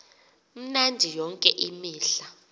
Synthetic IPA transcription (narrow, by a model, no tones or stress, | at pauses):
m̩nandʱijɔŋkʼɛʔimiːɬa